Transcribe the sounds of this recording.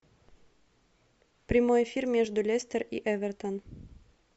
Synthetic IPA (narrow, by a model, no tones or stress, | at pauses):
pɾʲɪmojɪfʲirmʲeʐd̪ʊlʲesʲt̪ʲərḭʔɛvʲərt̪ən